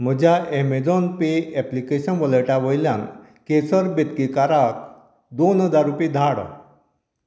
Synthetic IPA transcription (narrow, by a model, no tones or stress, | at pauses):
m̤əd͡ʑʱjaʔemed͡zɔnpeɛplikeɕənʋələʈaʋəjljãŋ | kesəɾbet̪kikaɾak̚ | d̪onɦəd͡zaɾupid̪ʱaɽ